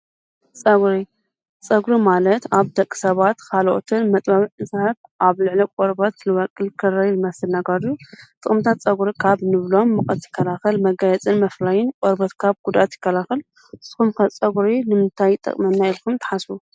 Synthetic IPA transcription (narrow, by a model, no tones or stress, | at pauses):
t͡sʼɐɡɾi | t͡sʼɐɡɾimalɐt̪aβd̪ɐkʼːi̥sɐβat̪kʰalʔo̰t̪ʰɨnmɐt̪ʼbaβɨʕɨsɐβʔaβlɨʕlikʷʼoɾbɐt̪lɨwɐkʼːɨlkʰɨɾɐlɨmɐsɨlnɐɡɐɾut̪ʼɨxʼmt̪ʰat̪̚t͡sʼɐɡuɾikʰaβnɨβlo̞mːɨkʼɐt̪jɪ̥kʰːɐlaxɨlmɐɡajɛt͡sʼɨnmɐflajɪnkʼoɾbɐt̪kʰaβɡud̪ʔat̪jɪkːɐlaxɨl | ɨsɨ̥xumkʰɐt͡sʼɐɡɾinɨmɨnt̪ʰajt̪ʼɐ̰kʼmɐnnːailkʰumt̪ʰɐ̥ħasbu